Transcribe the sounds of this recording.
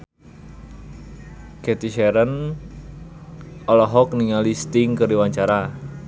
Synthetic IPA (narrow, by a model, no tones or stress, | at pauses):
kɛt̪iʃɛɾən | ɔlɔɦɔkniŋalist̪ɪŋkɨriwaɲt͡ʃaɾa